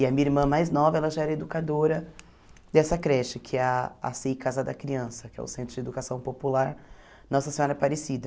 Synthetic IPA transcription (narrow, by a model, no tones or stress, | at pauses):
ɪɐmiɾmɐ̃majznɔvɐɛlɐʒaɛɾɐed̪ukad̪oɾɐ | d̪ɛsɐkɾɛʃɪkʰɪɛɐa̰sejkazɐd̪ɐkɾiɐ̃sɐkɪɛ̰ʊ̰sẽnt̪ɾʊd͡ʒʊed̪ukasɐ̃w̃populaɾ | nɔsɐseõnɐɛpaɾesid̪ɐ